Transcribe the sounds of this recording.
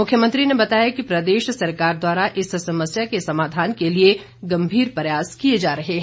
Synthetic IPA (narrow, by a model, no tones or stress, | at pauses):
mʊkʰjəmɐ̃nt̪ɾinebɐt̪aːjakipɾɐd̪eːʃsɐɾkaːɾd̪waːɾaʔɪssɐməsjakesɐmaːd̪ʱaːnkelie | ɡɐ̃mbʱiːɾpɐjaːskied͡ʒaːɾɐɦeɦɛ̃ː